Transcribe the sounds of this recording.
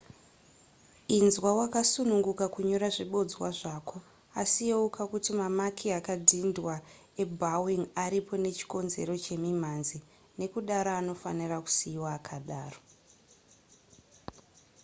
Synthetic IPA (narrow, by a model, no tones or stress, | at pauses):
inzwawakasunuŋɡukakuɲo̞ɾaʐiɓo̞d͡zwaʐakʰo̞ | asijeukakutimamakʰiakadʱindwa | e̞bawiŋaɾipʰo̞ne̞t͡ʃi̥ko̞nze̞̰ɾo̞t͡ʃe̞mimanzi | ne̞kuɗaɾaːno̞faniraku̥siiwaːkʰaɗaːro